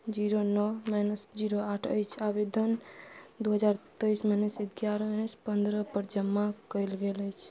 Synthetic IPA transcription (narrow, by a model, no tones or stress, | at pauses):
d͡ʒiɾonɔmanəsd͡ʒiɾoaʈʰəjt͡ʃʰabed̪ʱənd̪uɦəd͡ʒaɾt̪əjsmanəsiɡjaɾəmanəspənd̪ɾəpəɾd͡ʒəmːakəjlɡeləjt͡ʃʰ